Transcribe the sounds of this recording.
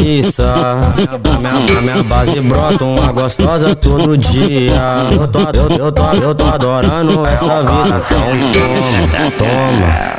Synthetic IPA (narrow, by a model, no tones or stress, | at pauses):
isɐmĩbamĩɐamĩɲɐbazɪbɾɔt̪ɐũmɐɡost̪ɔzɐt̪od̪ʊʊd͡ʒiɐewt̪oaewewt̪oewt̪oad̪ɔɾ̃nʊɛsɐvid̪ɐ̃t̪ɐ̃w̃t̪õmɐɐt̪õmɐ̰